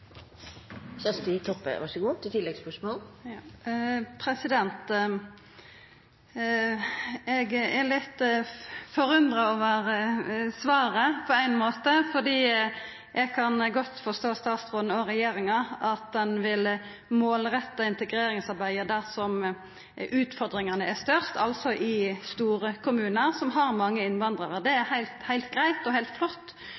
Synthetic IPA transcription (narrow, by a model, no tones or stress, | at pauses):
sɛst̪ɪt̪ʰɔpːə̰ʋɑ̰ʂəɡuːt̪ʰɪt̪ʰɪlːɛɡspœʂmoːl | pʰɾɛsɪd̪ɛnt̪ | ɛɡɛlɪt̪ː | fɔɾʉnd̪ʁɑoːʋəɾsʋɑːɾəpʰɔæɪnmoːt̪əfɔd̪iː | ʔɛɡkʰɑnɡɔt̪ːfɔʁst̪oːst̪ɑːt̪sʁoːn̩ɔɾɛjeːɾɪŋɑʔɑt̪̚d̪ɛnʋɪl | moːlɾɛt̪ːɑɪnt̪əɡɾeːɾɪŋsɑɾbæɪəd̪æʁsɔm | ʉːt̪fɔʁd̪ɾɪŋɑnəæst̪œɾst̪ʰɑlsɔʔɪst̪uːɾəkʰʊmʉːnəʁsɔmɦɑɾmɑŋːəɪnʋɑnd̪ʁɑʁəʁd̪ɛæɾhæɪlt̪hæɪlt̪ɡʁæɪt̪ɔhæɪlt̪flɔt̪ː